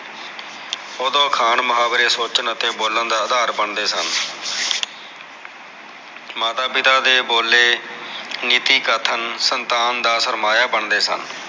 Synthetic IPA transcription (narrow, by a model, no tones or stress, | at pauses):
od̪õːkʰaːnmʊɦaːbɾeːsoːt͡ʃənət̪eːboːlənd̪aːəd̪aːɾbəɳd̪eːsən | maːt̪aːpɪt̪aːd̪eːboːlːeː | niːt̪iːkət̪ʰənsənt̪aːnd̪aːsəɾmaːjaːbəɳd̪eːsə̰n